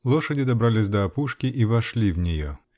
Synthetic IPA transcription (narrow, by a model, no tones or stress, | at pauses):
lˠɔʂɐdʲid̪ɐbɾalʲizʲd̪ɐːpuʂkʲiʔivɐʂlʲiwnʲijɔ̰